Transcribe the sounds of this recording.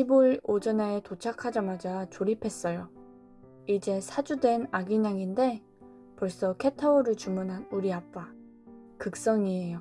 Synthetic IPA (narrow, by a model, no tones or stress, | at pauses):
ibuɭod͡ʑʌnetot͡ɕʰakʰad͡ʑamad͡ʑat͡ɕoɾipʰe̞s͈ʌjo | id͡ʑe̞sʰad͡ʑudwe̞naɡiɲaŋinde̞ | pʌɭs͈ʌkʰe̞tʰaoɾɯɭt͡ɕumunɦanuɾiap͈̚a | kɯk̚s͈ʌŋie̞jo